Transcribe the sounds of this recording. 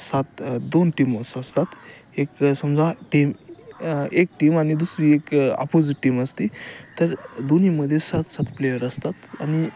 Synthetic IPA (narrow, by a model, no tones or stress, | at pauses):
sat̪d̪onʈiməsəst̪at̪ | eksəmd͡zʱaʈim | ek̚ʈimañid̪usɾiːeka̰pod͡ziʈːiməst̪it̪əɾd̪oniməd̪ʱːjesat̪sat̪plejəɾəst̪at̪a̰ñi